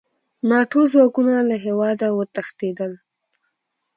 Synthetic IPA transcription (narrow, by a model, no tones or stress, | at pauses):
nɑʈozwɑkunalaɦewɑd̪awət̪axt̪ed̪əl